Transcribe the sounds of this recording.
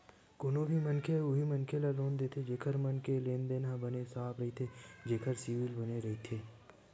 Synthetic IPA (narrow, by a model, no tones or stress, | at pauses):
kʊnobʱimənkʰeʊɦimɐnkʰelaloːnd̪eːt̪ʰed͡ʒeːkʰəɾmənkelẽːnd̪enãbənesaːpɾəɦit̪ʰed͡ʒeːkʰəɾsiʋɪlbɐneɾɐɦit̪ʰeː